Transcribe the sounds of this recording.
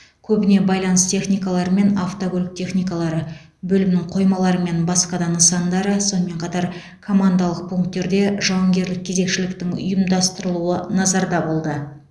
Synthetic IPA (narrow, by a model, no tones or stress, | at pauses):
kʲʰɵbɪne̞bɑjlˠɑnəst̪ʰe̞χnijkalˠɑɾəme̞naft̪okʲolʲɪk̚t̪ʰe̞χnijkalˠɑɾə | bɵlɪmnɪŋqʰo̞jmɑlˠɑɾəme̞nbɑsqɑd̪ɑnəsɑnd̪ɑɾəso̞nəme̞ɴqʰɑt̪ɑɾ | kʰo̞mand̪alˠəq̚pʰuŋkt̪ːe̞ɾd̪e̞ʒɑwɑŋɡʲe̞ɾlɪk̚ʲʰːe̞ze̞kʃɪlɪk̚t̪ɪŋʊ̰jəmd̪ɑst̪əɾəlˠuənɑzɑɾd̪ɑbo̞lˠd̪ə